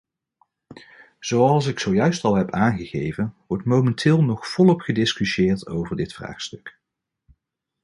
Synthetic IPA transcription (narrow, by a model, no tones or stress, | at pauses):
z̥owɑlˠs̬ɪksowjœɥstɑlˠɦɛpaːnχəχejvənʋɔɹtmowmɛntʰɪːlˠnɔχfɔlˠɔpχədɪskyʃjɪːɹtowvəɹdɪtfra̰ːχstɵk